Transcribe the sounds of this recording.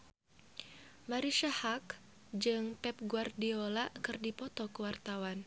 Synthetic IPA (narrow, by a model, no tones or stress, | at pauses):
maɾiʃahak | d͡ʒɨŋpɛp̚ɡuardiolakɨrdipɔt̪ɔkuwart̪awan